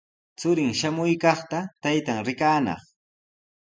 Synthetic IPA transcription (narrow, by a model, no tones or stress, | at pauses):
t͡sʊɾɪŋʃamʊjkɑχt̪at̪ajt̪aŋɾɪkaːnɑ̰χ